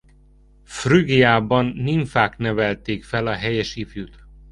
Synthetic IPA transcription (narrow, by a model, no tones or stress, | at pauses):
fryɡiaːbɒnːiɱfaːknɛvɛlt̪eːkfɛlɒɦɛjɛʃifjut̪